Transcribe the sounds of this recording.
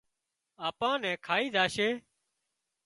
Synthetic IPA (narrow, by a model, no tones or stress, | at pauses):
aːpãːnɛ̃ːkʰaːiːd̪aːʃeː